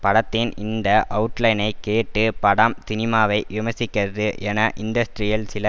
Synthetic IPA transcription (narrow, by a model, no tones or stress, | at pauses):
pɐɽɐt̪ːɪnɪnd̪ɐʔɐʊɯʈlɐɪnɐɪkːeːʈːɯpɐɽɐmsɪnɪmaːʋɐɪʋɪmɐsɪkːɐðɯʔɛnɐʔɪnɖ̪ɐsʈɾɪjɐlsɪlɐ